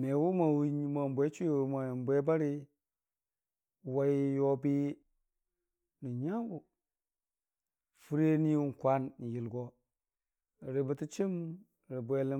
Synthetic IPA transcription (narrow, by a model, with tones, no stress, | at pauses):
me˨wu˦ma˨wɲ˨ma˨bʷe˦t͡ʃu˦e˨ma˨ji˨m˨bʷe˦ba˦ɾi˦˨ | wa˦ji˦jo˦bi˦ | ni˨ɲa˦ŋɡu˨ | fu˦ɾe˦ni˦wu˦n˨kʷa˦n˨ji˨lɡo˦˨ | ɾi˨bə˨ti˦t͡ʃi˦m˨ | ɾi˨bʷe˦li˦